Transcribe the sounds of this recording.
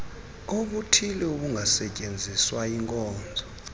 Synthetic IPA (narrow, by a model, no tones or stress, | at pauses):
oɓutʰilɛuɓuŋɡʱasɛcʼend͡zʱiswaiŋkʼɔːnd͡zʱɔ